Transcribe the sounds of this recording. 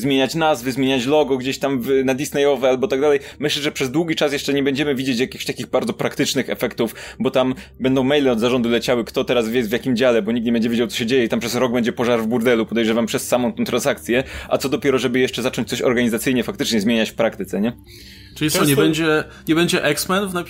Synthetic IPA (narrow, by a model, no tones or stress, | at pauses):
zmʲeɲat͡ɕnazvɘzmjeɲat͡ɕlɔɡɔɡd͡ʑeɕt̪amvnad̪ʲisnɛjɔvɛalbɔt̪aɡd̪alɛjmɘɕlɛʐɛpʂɛzd̪wuɡʲit͡ʂasjɛʂt͡ʂɛɲɛbɛɲd͡ʑɛmɘvʲid͡ʑet͡ɕjakʲixɕt̪akʲiɣbaɾd̪zɔpɾakt̪ɘt͡ʂnɘxɛ̰fɛkt̪ufbɔt̪am | bɛnd̪ɔ̃w̃mɛjlɛɔd̪zaʐɔnd̪ulɛt͡ɕawɘkt̪ɔt̪ɛɾasvʲjɛvʲjakʲimd͡ʑalɛbɔɲik̚t̪ɲɛbɛɲd͡ʑɛvʲjed͡ʑawt̪sɔ̥ɕ̬ɛd͡ʑejɛit̪ampʂɛsɾɔɡ̚bɛɲd͡ʑɛpɔʐaɾvbuɾd̪ɛlupɔd̪ɛjʐɛvampʂɛsːamɔ̃w̃t̪ɛ̃t̪ɾãnsak̚t̪sʲjɛʔa̰t̪sɔd̪ɔpʲjɛɾɔʐɛbɘjɛʂt͡ʂɛzat͡ʂɔnɲt͡ɕt̪sɔɕɔ̰ɾɡaɲizat̪sɘjɲɛfakt̪ɘt͡ʂɲɛzmʲjeɲat͡ɕfpɾakt̪ɘt̪sɛɲɛ | ʈ͡ʂɨlʲisɔɲɛbɛɲd͡ʑɛ | ɲɛbɛɲd͡ʑɛʔɛksmɛnufna